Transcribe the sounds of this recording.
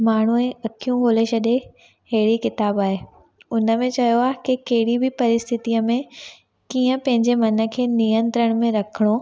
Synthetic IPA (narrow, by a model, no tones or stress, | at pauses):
maːɳ̤uẽɐkʰijũɦoːleʃɐɗe | ɦɐɦɪɽikɪt̪aːbaːɦeː | ʊnə̆mẽt͡ɕɐjoaːɦekɪkɐɦɪɽibʱɪpɐɾɪst̪ʰɪt̪ijəmẽ | kiːə̃pɐ̃ɦɪ̃ɲd͡ʑemɐnə̆kʰeːnijə̃nt̪ɾəɽ̃mẽɾɐkʰəɽ̃o